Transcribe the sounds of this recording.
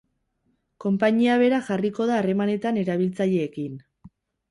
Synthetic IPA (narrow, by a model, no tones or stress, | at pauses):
ko̞mpaɲiaβ̞e̞ɾaxariko̞ð̞aːre̞mane̞t̪ane̞ɾaβ̞ilt͡saʎe̞ːkin